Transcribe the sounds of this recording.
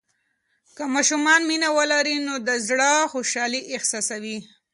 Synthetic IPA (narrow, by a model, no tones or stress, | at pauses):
kəmɑʃumɑnminawəlaɾinod̪əzɽəxoʃɑliʔɪxsɑsawi